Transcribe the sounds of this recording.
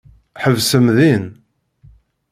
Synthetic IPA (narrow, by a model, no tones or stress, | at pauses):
ħəvsəmðin